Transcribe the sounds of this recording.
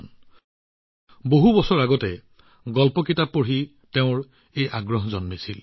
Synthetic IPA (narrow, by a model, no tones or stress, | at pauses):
n | boɦubɔsɔɹaɡɔtɛ | ɡɔlpɔkitapːoɹi | teʊ̃ɹ | ejʔaɡɹɔɦzɔnmisil